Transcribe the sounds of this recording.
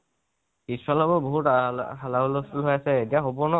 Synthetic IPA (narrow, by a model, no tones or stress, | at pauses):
kisɹalɔbɔɹboɦutalabɔloskulɦojasɛetiaxobɔnɔ